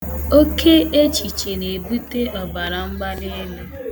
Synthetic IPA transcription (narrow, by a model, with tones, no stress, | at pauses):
o˦kʰe˦e˦t͡ʃi˨t͡ʃe˨ne˨e˨bu˦te˦ʔɔ˨ba˨ɾa˨ŋ͡m̩˦ɡ͡ba˦le˦le˦